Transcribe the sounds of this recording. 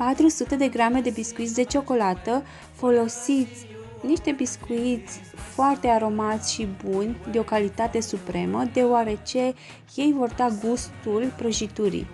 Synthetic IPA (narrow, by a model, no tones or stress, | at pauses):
pat̪ɾusut̪e̞d̪e̞ɡɾame̞d̪e̞biskuit̪sʲd̪e̞t͡ʃo̞ko̞lat̪ə | fo̞lo̞sit̪sʲ | niʃt̪e̞biskuit̪sʲ | foart̪e̞aɾo̞mat̪sʲʃibunʲd̪eo̞kalit̪at̪e̞supɾe̞məd̪e̞oaɾe̞t͡ʃe̞ | je̞jvo̞rd̪aɡust̪ulpɾəʒit̪uɾḭj